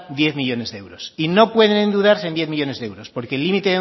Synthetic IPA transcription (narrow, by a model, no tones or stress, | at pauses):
d̪je̞θmiʝo̞ne̞zðee̞wɾo̞sino̞pwe̞ðe̞nend̪uðaɾsend̪je̞θmiʝo̞ne̞zðeewɾo̞spoɾke̞ːlːimit̪e